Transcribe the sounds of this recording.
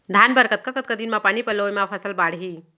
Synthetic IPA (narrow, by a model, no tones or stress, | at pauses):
d̪ʱanbəɾkət̪̚kəkət̪̚kəd̪inmapaɳipəlojmafʰəsəlbaːɽ̤ɦi